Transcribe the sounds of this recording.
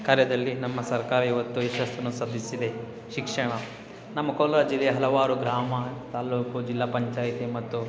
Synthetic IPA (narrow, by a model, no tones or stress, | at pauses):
kaːɾjɐd̪ɐlːinɐmːɐsɐɾkaːɾɐiʋɐt̪ːuiʃɐst̪ɐnːusɐd̪ʱisid̪e̞ | ʃikʂɐɳɐ | nɐmːɐkoːlɾaːd͡ʒilejɐɦɐlɐʋaːɾuɡɾaːmɐt̪aːluːkud͡ʒilːaːpɐɲt͡ʃaːjt̪imɐt̪ːu